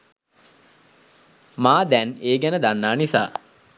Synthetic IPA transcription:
maːd̪ɛneːɡænəd̪anːaːnisa̰ː

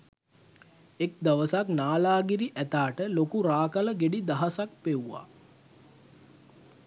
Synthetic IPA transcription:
ek̚d̪aʋəsaknaːlaːɡiɾiʔæt̪aːʈəlokuɾaːkaləɡeɖid̪aɦasak̚peuʋa̰

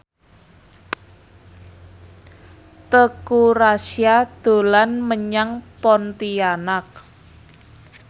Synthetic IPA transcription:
t̪əkuɾasjad̪̥o̤lanməɲaŋpɔnt̪ianak̚

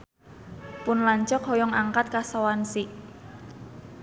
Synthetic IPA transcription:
pʊnlaɲt͡ʃɔkhɔjɔŋaŋkat̪̚kasawansiʔ

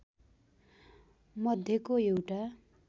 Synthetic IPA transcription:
mʌd̪ʱjʌkoewʈa

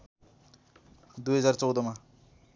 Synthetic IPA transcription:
d̪ujɦʌd͡zart͡sʌwd̪ʌma

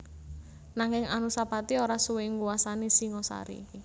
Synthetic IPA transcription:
naŋɪŋanusapat̪ioɾasuwɪŋɡuwasanisiŋɔsa̰ɾḭːki

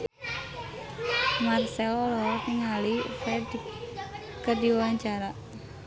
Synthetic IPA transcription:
marsɛɔlɔniŋalifɛdik | kːədiwaɲt͡ʃaɾaʔ

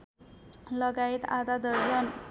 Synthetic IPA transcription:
ləɡait̪a̰d̪ad̪əɾd͡zən

